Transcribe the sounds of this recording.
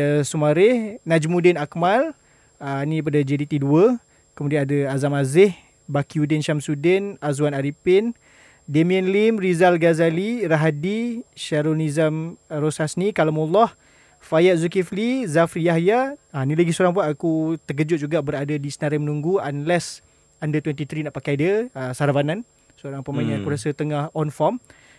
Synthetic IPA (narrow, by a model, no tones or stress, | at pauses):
sumaɾɪhnad͡ʒmudɪnakmal | ənip̬adad͡ʒeɾit̪iduə | kəmudianadəazamazɪh | bakiudɪnʃamsudɛnazuwanaɾipɪn | demiɛnlimrizalɡazaliraɦadiʃaɾonizəmrosasnikalamulɔh | fajaʔ̪̚zukiflizafɾijaɦjanilaɡisoɾaŋp̬ʊnakut̪ək̬əd͡ʒʊt̪̚d͡ʒuɡaʔbəɾadadisənaɾamənũŋɡuanlɛs | andət̪wɛnt̪̬it̪ɾinaʔpakajdəəsaɾavanan | soɾaŋpəmaɲaakuɾasət̪əŋahɔnfɔm